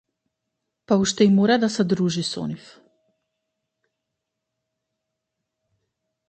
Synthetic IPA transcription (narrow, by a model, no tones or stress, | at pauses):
pauʃt̪ɛimɔɾad̪asɛd̪ɾuʒisɔ̰nif